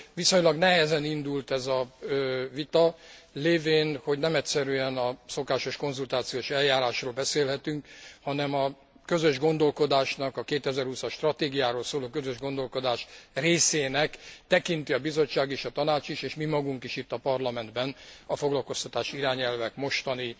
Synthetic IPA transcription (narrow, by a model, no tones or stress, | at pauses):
ʋiso̞ɲlɒɡnɛɦɛzɛnind̪ult̪ɛzɒøvit̪ɒleːveːnho̞ɟnɛmɛcʲsɛɾyɛnɒso̞kaːʃo̞ʃko̞nzult̪aːt̪sijoːʃɛljaːɾaːʃroːlbɛseːlɦɛt̪yŋkhɒnɛmɒ | kø̞zøʒɡo̞nd̪o̞lko̞d̪aːʃnɒkɒkeːt̪ɛzɛrhusɒʃt̪rɒt̪eːɡijaːɾoːlsoːloːkøzøʒɡo̞nd̪o̞lko̞d̪aːʃreːseːnɛkt̪ɛkint̪iɒbizo̞t͡ʃːaːɡeːʃɒt̪ɒnaːt͡ʃiʃeːʃmimɒɡuŋkiʃit̪ːɒpɒrlɒmɛnd̪bɛnɒfo̞ɡlɒlko̞st̪ɒt̪aːʃiiɾaːɲɛlvɛkmo̞ʃt̪ɒni